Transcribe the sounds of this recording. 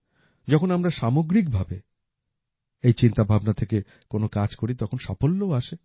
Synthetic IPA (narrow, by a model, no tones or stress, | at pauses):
d͡ʑɔkʰonamɾaʃamoɡɾik̚bʱabe | ejt͡ɕint̪abʱabnat̪ʰeke | konokad͡ʑkoɾit̪ɔkʰonʃafolːooaʃe